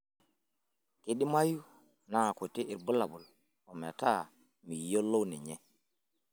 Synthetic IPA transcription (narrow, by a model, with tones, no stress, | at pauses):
ki˨ɗi˦ma˦ju˦ | na˦a˨ku˨ti˦ʔi˨ɾbu˦la˨bu˨l | o˨mḛ˨ta˦˨ | mi˨jo˦lːo˦ni˨ɲe˦